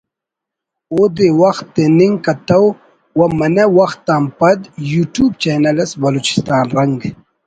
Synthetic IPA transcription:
oːd̪ewɐxt̪ːeniŋɡkɐt̪ɐw | wɐmɐnɐwɐxt̪ːaːmpɐd̪juːʈuːbt͡ɕeːnɐlɐsbɐloːt͡ɕi̥st̪aːnɾɐŋɡ

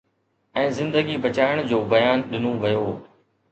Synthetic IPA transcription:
ɛ̃ːzɪ̃nd̪əɡibɐt͡ɕaːɪəɽ̃d͡ʑoːbɐjaːnɗɪnoʋɐjoː

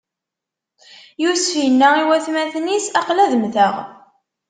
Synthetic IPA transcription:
jusinːæiwæθmæθnisɑqlæðəmθəʁ

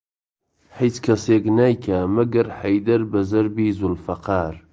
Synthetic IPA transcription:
ħijt͡skʰɐseːknaːjkʰamɐɡɐɾħɐjd̪ɐɾbɐzɐɾbiːzʊlfɐqɑːɾ

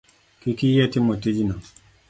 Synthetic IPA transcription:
kikijɛtɪmotid͡ʒinɔ

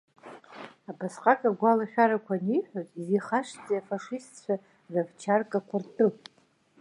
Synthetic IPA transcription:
apʰasqʼakʼaɡʷalaχʲᶣaɾakʷʰaniħʷᶣotʼiziχaʂt͡sʼiafaʂistt͡ɕʷʰa | ravt͡ʃʰarkʼakʷʰartʰʼɨ

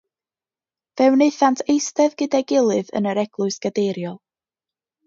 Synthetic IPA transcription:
vɛwneɨθantʰejstɛvɡɨdaɡɪlˠɨðə̰nəɾɛɡ̥lˠʊɨsɡ̥ədejɾjɔlˠ

